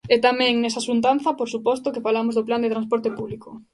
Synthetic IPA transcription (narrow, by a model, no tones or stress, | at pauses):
ɛt̪amɛ̃ŋnɛsasunt̪ãnθɐpoɾsupɔst̪okɪfalamozðopland̪et̪ɾanspɔɾt̪epuβliko